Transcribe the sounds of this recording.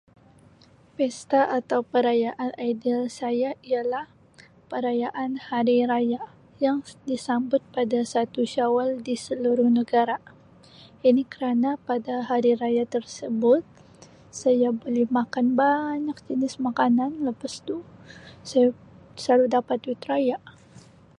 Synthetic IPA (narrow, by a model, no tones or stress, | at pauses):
pɛst̪aʔat̪awpəɾajaʔanajdilsajaialah | pəɾajaʔanhaɾiɾaja | jaŋdisambʊt̪̚padasat̪uʃawaldisəluɾʊhnəɡaɾa | inikəɾanapadaɦaɾiɾajat̪ərsəbʊt̪̚ | sajabolɛhmakanbaɲak̚d͡ʒənɪsmakananləpast̪usaj | saɾudapat̪it̪ɾajaʔ